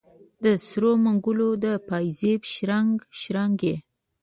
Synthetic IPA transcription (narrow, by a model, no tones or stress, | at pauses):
d̪əsɾomaŋɡulod̪əpɑjzebʃɾaŋɡʃɾaŋɡe